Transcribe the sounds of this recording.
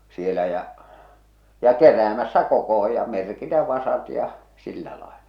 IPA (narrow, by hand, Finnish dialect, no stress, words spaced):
sielæ jæ jɑ keræːmæsːæ kokoho jɑ merkitæ ʋɑsɑt jɑ silːæ lɑelɑ̥